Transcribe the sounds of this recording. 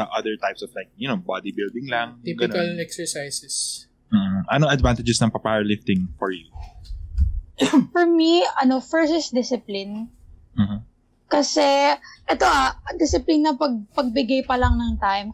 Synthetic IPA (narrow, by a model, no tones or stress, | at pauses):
ɐʔɐd̪ɛɹt̪ajpsɔv̥lajk̚jɐnobad̪ibɪld̪ɪŋlaŋiɡɐnɐlɛksɛɹsajsɛs̩ː | ʔɐnoŋɐd̪vant̪ɪd͡ʒɛsnɐŋpɐpaɹlɪft̪ɪŋfɔɹju | fɔɹmiɐnofɛɹsɪsd̪ɪsɪplɪn | m̩ːm̩ | kɐsɛʔɛt̪oʔaɐd̪ɪsɪplinːɐpɐɡ̚pɐɡ̚bɪɡajpɐlɐŋnɐŋt̪ajm